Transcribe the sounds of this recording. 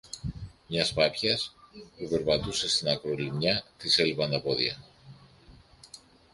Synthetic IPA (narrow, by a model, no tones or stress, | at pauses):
mɲɐspɐpçɐspupe̞ɾpɐt̪use̞st̪inɐkɾo̞limɲɐt̪iselvɐnɐpo̞ðḭɐ̰